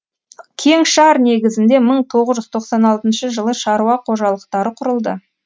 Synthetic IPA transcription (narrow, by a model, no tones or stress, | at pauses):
kʲʰe̞ŋʃɑɾne̞ɡʲɪzɪnd̪e̞məɴt̪ʰo̞ʁəzʒʏzt̪ʰo̞qsɑnɑlˠt̪ənʃəʒəlˠəʃɑɾuɑqʰo̞ʒɑlˠəqt̪ɑɾəqʰʊɾəlˠd̪ə